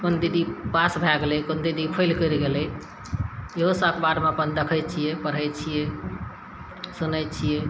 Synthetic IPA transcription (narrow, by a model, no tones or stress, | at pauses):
kond̪id̪ipasbʱaɡlɛkond̪id̪ipʰəjlkəɾɡelɛ | eɦosəkbaɽmepənd̪əkʰəj̚t͡ʃʰijɛpəɽ̤əjt͡ʃʰijɛ | sunəj̪̚t͡ʃʰijɛ